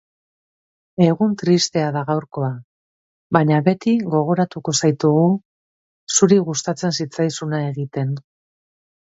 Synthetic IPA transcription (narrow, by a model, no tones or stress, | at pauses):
e̞ɣunt̪ɾist̪e̞aðaɣawɾko̞a | baɲaβe̞t̪iɣo̞ɣ̞o̞ɾat̪uko̞sajt̪uɣu | suɾiɣust̪at͡se̞nsit͡sajsunae̞ɣit̪e̞n